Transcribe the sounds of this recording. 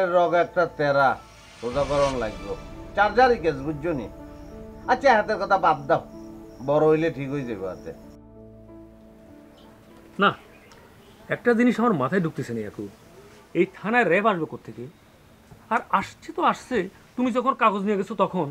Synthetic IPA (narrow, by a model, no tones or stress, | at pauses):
eɾːɔɡɛk̚ʈat̪ɛɾa | sozakɔɾonlaɡbot͡ɕaɾd͡ʑaɾiked͡ʑbud͡ʑonḭ | atːɕʰaeɦat̪̬eɾkɔt̪ʰabab̚d̪abɔɾoɦojleʈʰikɦojd͡ʑejbeɦa̰t̪ḛ | na | ɛk̚ʈad͡ʑiniʃɔmaɾmat̪ʰaeɖʱuk̚t̪et͡ɕʰeneja̰ko | ejt̪ʰanaeɾɛpʰaʃbekoɾt̪ʰeke | aɾaʃt͡ɕʰet̪oaʃsʰe | t̪umid͡ʑɔkʰonkaɡod͡ʑnijeɡet͡ɕʰot̪ɔkʰon